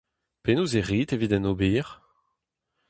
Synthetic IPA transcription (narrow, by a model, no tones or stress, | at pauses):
penuzeʁiːtevidɛnobiːʁ